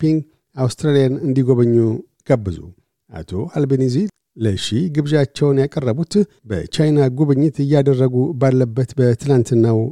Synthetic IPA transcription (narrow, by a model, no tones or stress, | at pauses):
piŋɡ | awst̪ɾalijanɨnd̪iɡo̞βəɲːu | ɡ̥abːɨzṵ | ʔa̰t̪ʰo̞albenizi | ləʃiɡɨβʒat͡ʃːɛwnjakʼərːəβut̪ | bə̰t͡ʃajnaɡoβəɲːɪt̪ɨjːad̪ərːəɡubalːəbːət̪bət̪ʰɨlant̪ɨnːaw